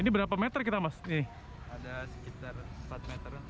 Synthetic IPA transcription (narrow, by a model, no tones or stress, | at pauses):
inibəɾapamet̪ərk̬it̪amasni | adasə̥kit̪armpat̪̚met̪ər